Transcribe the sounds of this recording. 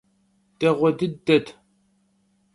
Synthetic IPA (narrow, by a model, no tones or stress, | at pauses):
tɐʁʷɔdɨdːɐtʰ